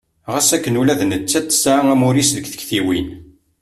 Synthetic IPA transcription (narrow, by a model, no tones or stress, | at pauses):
ʁəsækːənulæðnət͡sːæt̪ːə̥saæmʊɾisðəkθə̥kθiwin